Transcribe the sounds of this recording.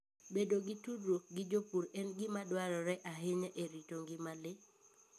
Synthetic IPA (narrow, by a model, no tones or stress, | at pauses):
bedoɡɪtudoɡɪd͡ʒopuɾɛnɡɪmadwaɾɔɾɛʔaɦɪɲɛʔeɾitoŋɡɪmalɪ